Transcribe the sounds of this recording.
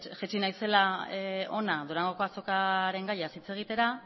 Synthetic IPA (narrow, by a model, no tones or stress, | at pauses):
ʝet͡ʃinajse̞lao̞naðoɾaŋɡo̞ko̞aso̞kaɾe̞ŋɡajasit͡se̞ɣ̞it̪e̞ɾa